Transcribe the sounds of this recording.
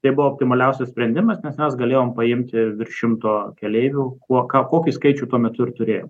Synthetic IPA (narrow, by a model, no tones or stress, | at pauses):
t̪ɐɪbʊʋooːp̚ʲt̪ʲɪmɐlʲɛʊsʲɛssʲpʲɾʲɛnʲd̪ʲɪmɐsnʲɛsmʲɛsɡɐlʲeːjoːmpɐɪmʲt̪ʲɪʋʲɪrʲʃʲɪmt̪oːkʲɛlʲeɪʋʲuːkuɔkɑːkoːkʲiskɐɪt͡ʃʲuːt̪uɔmʲɛt̪ʊɪrt̪ʊɾʲeːjoːm